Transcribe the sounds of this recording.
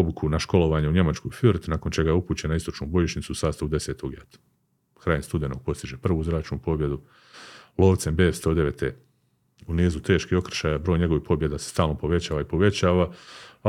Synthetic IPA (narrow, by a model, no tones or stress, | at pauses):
obukʰunaʃko̞lo̞ʋaːɲeuɲe̞mat͡ʃkoːjfyɾt̪naːko̞nt͡ʃe̞ɡajeupuːt͡ɕe̞naist̪o̞t͡ʃnuːbo̞liʃnit̪suusaːst̪aʋud̪e̞seːt̪ʰoɡjḛt̪ | kɾaːjenst̪ud̪enoːɡ̚po̞st̪iʒepr̩ʋuːzɾaːt͡ʃnuːpo̞bje̞d̪u | lˠo̞ːʋt̪sembefst̪o̞d̪e̞ʋet̪ʰḛ | uniːzut̪e̞ːʃkiho̞kɾr̩ʃajabɾoːjɲe̞ɡo̞ʋihpo̞bje̞d̪aːsest̪aːlˠnopo̞ʋe̞t͡ɕaːʋaipo̞ʋe̞t͡ɕaːʋa